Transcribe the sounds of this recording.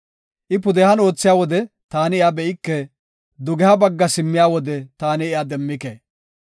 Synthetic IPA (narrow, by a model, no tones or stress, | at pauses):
ʔɪp̬ʊd̪ɛhɐno̞ːt͡sːɪjaːwɔd̪ɛ | t̪aːnɪɪjabɛʔɪkːɛ | d̪ʊɡɛhɐbɐɡːɐsɪmːɪjaːwɔd̪ɛt̪aːnɪːjad̪ɛmːɪkeː